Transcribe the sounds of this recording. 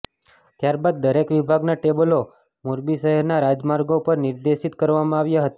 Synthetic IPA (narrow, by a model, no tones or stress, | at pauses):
t̪jaɾbad̪̚ːəɾekʋibʱaɡnaʈebəlo | moɾbiʃəɦɛɾnaɾad͡ʒmaɾɡopəɾnɪɾd̪eʃit̪kəɾʋamãaʋjaɦət̪a